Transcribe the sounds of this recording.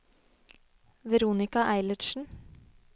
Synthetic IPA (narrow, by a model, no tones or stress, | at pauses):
ʋɛɾuːnɪkɑʔæɪlətʃn̩